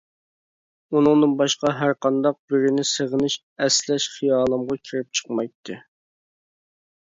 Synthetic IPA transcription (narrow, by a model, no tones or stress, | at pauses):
unɨŋnɨnbɑʃqɑɦæɾqɑnd̪ɑq̚bɪɾɪnɪseʁənɪʃ | ɛslɛʃχijɑːlˠɨmʁɑkʲʰiɾɪp̚t͡ʃʰə̥qmɑjt̪ʰːɨ